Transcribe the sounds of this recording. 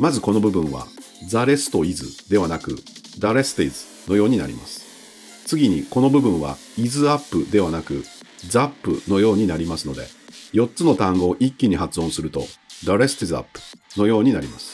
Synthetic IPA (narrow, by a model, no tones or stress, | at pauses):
mazɨko̞no̞bɯ̟bɯ̟̃ɰ̃βa̰ | d͡zaɾe̞sɨ̥t̪o̞izɨd̪e̞βanakɯ̟̰d̪aɾe̞sɨ̥t̪eizɨ̥ | no̞jo̞ːɲ̟inaɾʲḭma̰sɨ̥ | t͡sɨɡʲiɲ̟iko̞no̞bɯ̟bɯ̟̃ɰ̃βa̰ | izɨapːɯ̟d̪e̞β̞anakɯ̟ | d͡zapːɯ̟̰no̞jo̞ːɲ̟inaɾʲimasɨno̞d̪e̞̰jo̞tt͡sɨno̞t̪ãŋɡo̞ːʔikʲːiɲ̟ihat͡sɨõ̞ɰ̃sɨɾɯ̟t̪o̞d̪aɾe̞sɨ̥t̪eza̰pːɯ̟̥no̞jo̞ːɲ̟inaɾʲimasɨ̥